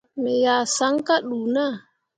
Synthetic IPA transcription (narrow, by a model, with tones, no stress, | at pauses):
me˨ja˨sa˨˦ŋ˦ka˦ɗuː˨na˦˨